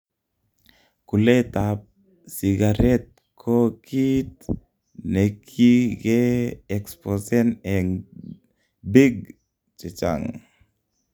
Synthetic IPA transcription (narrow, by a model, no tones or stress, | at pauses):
kulet̪ap̚ | siɡaɾɛt̪̚ | kʰokʰit̪̚ | nekʰikeɛksposɛnɛŋ | biɡ | t͡ʃɛt͡ʃa̰ŋ